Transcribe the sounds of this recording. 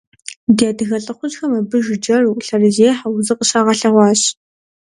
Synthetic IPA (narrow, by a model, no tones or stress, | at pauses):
diaːdɨɣɐɬʼɨχʷʊt͡ʃxɐmɐbɨʒɪd͡ʒɐrɬɐrɨzeːħawʊzɨqʼəɕaːʁɐɬɐʁʷɑːɕ